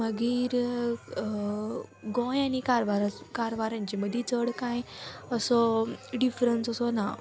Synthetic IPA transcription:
məɡiːɾ | ɡɔ̃janikaɾʋaɾakaɾʋaɾãɲt͡ɕeməd̪ʱːit͡səɽkãjəsɔɖifɾənsəsɔna

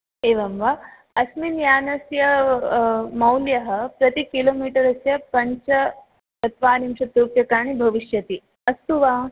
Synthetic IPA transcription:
eːʋɐmʋa | ɐsminjaːnɐsjɐ | mɐwljɐɦɐ̆pɾɐt̪ikiloːmiːʈɐɾɐsjɐpɐɲt͡ʃɐ | ɐt̪ʰʋaːnimʃɐt̪ɾuk̪̚jɐkaːɳ̃ibʱɐʋiʃjɐt̪i | ɐst̪uʋaː

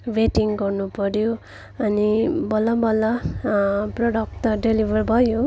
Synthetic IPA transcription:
weʈiŋɡʌrnupʌɾjo | ʌnibʌlʌbʌlʌ | proɽʌk̚t̪ʌɖelibʱʌrbʱʌjo

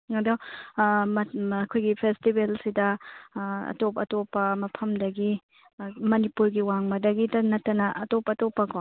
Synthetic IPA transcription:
ŋɐdo | ɐkʰojɡipʰestibelsidɐ | ɐ̰top̬ɐtopːɐmɐpʰɐmdɐɡi | mɐnipuɾɡiwaŋmɐdɐɡidɐnɐtːɐnɐʔɐtopːɐːtopːɐko

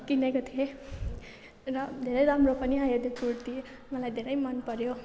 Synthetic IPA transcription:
kinekot̪ʰie | rʌd̪ʱeɾʌjɾamropʌniajod̪jopuɾt̪i | mʌlajd̪ʱeɾʌjmʌnpʌɾjo

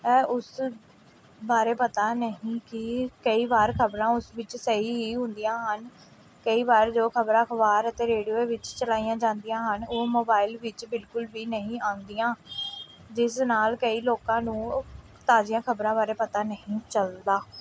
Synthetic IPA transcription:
ɛːʔʊs | baːɾeːpət̪aːnəɦĩːkɪkəiːbaːɾkʰəbɾãːʊsʋɪt͡ʃsəiːɦiːɦʊ̃nd̪ijãːɦən | kəiːbaːɾd͡ʒoːkʰəbɾãːkʰəbaːɾət̪eːɾeːɖioːeːʋɪt͡ʃt͡ʃəlaːijãːd͡ʒãːnd̪ijãːɦənoːmoːbaːɪlʋɪt͡ʃbɪlkʊlʋiːnəɦĩːãːnd̪ijãː | d͡ʒɪsnaːlkəiːloːkãːnũː | t̪aːd͡ʒijãːkʰəbɾãːbaːɾeːpət̪aːnəɦĩːt͡ʃəld̪aː

